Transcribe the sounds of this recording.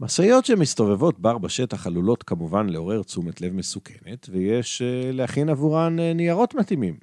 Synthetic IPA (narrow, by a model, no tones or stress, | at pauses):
masajo̞tʃemist̪o̞ve̞vo̞t̚baʁbaʃetaχalulo̞t̪kamuvanleo̞ʁe̞ʁt͡sumetle̞vmesukʰe̞me̞tvejeʃlehaχinavuʁannijaʁo̞t̪mat̪imim